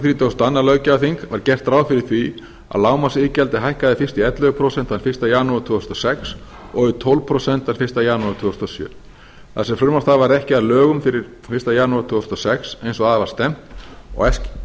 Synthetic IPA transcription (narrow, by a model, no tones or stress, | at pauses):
θɾiːt̪ʰost̪anːalœːɥcaaθiŋkvaɾcɛr̥t̪ɾaːwfɪɾɪɾ̥θvi | a̰ðlaːwmasiːcɛlt̪ɪɦajhkaðɪfɪr̥st̪ɪɛt̪lœɣpʰɾosɛn̥t̪an̥fɪ̥st̪ajaːnut̪ʰʏːst̪ɔsɛks | ɔɣʏt̪ʰɔlvpʰɾosɛnt̪aɾ̥fɪ̥st̪ajaːnuaɾt̪ʰʏːst̪ɔsjœ̰ː | θasɛmfɾʏɾmast̪avaɾɛhcɪaðlœːɣʏmfɪɾɪɾ̥ | fɪrst̪ajaːnuat̪ʰʏːɔst̪ɔsɛksejnsɔɣaðavḁst̪ɛm̥t̪ɔ̰ɣɛsc